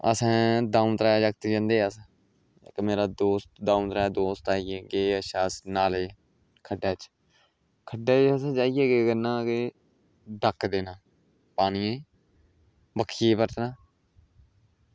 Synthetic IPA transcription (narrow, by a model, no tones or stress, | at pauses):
ə̰sɛ̃ːd̪ãːũːt̪ɾaːjːd͡ʒək̚t̪ed͡ʒãnd̪eːəsã̰ | kmeːɾaːd̪oːst̪d̪aːũːt̪ɾaːaːd̪oːst̪aːijeːɡeːəʃaːsnaːleː | kʰəɖaːt͡ʃ | kʰəɖɛːt͡ʃəsãːt͡ʃaːijeːɡeːɡənãːke | d̪əkʰːd̪eːnãː | paːniẽː | bəkʰːieːpəɾt̪nãː